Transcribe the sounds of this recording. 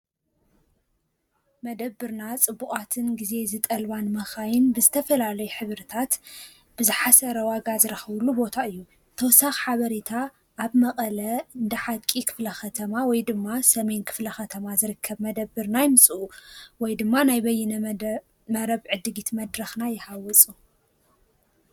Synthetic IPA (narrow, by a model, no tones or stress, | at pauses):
mɐd̪ɐbːɨɾnat͡sʼɨbːukʼat̪ʰɨnɡize̞zɨt̪ʼɐlβanmɐxajɪnbɨzɨt̪ʰɐfɐlalɐjuħɨβɾɨt̪ʰat̪ | b̥ɨzɨħasɐɾɐwaɡazɨɾɐxɐβlːubo̞t̪ʰaɨjːu | t̪ʰɐwsaxħaβɐɾet̪ʰa | ʔːβmɐqʼɐlɐɨɨnd̪ɐħakʼikʰɨ̥flɐxɐt̪ʰɐmawɔjd̪ɨmːasɐme̞nkʰɨ̥flɐxɐt̪ʰɐmazɨɾɨkʰːɐβmɐd̪ɐbːɨɾnajɪmɨsʼɨʔuwɔjd̪ɨmːanajbɐjːɛnɐ | mɐɾɐβʕɨd̪ɨɡit̪mɐd̪ɾɐxnajɪhawɔt͡sʼu